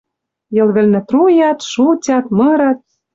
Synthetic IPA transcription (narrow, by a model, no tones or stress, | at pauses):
jɤ̆lβɘ̆lnɘ̆t̪rujɑt̪ʃutʲɑt̪mɤɾɑt̪̚